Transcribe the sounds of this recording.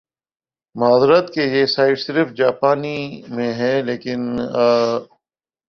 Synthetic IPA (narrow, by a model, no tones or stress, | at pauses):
mʊɦaːzɾət̪kejeːsaːɪʈsɪɾfd͡ʒaːpaːnimẽɦɛːleːkɪn